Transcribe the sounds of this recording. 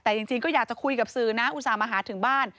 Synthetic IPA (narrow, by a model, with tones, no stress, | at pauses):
t̪ɛː˨˩t͡ɕi˧ŋt͡ɕi˧ŋkɔː˥˩jaː˨˩k̚t͡ɕa˨˩kʰu˧jka˨˩p̚sɯː˨˩na˦˥ʔu˨˩saː˨˦maː˧ɦaː˨˩˦t̪ʰɯ˩˦ŋbaː˥˩n